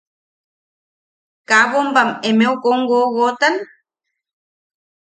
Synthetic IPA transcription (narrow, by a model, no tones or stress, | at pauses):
kaβombamemeokoŋɡoɣot̪an